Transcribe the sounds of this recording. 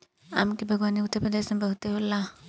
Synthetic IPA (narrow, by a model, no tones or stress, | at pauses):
a̰mkibʱəɡʋaːniʊt̪ːəɾpɾəd̪eːsmebəɦut̪eɦola